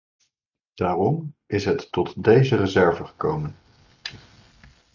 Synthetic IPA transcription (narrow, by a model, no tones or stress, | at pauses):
d̥aːrɔmɪsɦətːɔtdejzərəzɛɹvəχə̥kowmən